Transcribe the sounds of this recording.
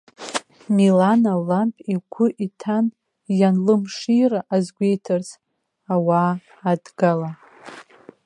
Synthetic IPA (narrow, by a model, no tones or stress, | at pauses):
milanalampʼiɡʷʰʊʔitʰan | janlɨmʂiɾaʔazɡʷejtʰɨrs | awaː | dɡala